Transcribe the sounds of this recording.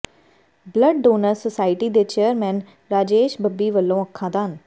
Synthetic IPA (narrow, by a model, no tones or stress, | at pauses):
bləɖːoːnəɾsəsaːɪʈiːd̪eːt͡ʃeːəɾmɛ̃ːn | ɾaːd͡ʒeːʃbəbːiːʋəlːõːəkʰːãːd̪aːən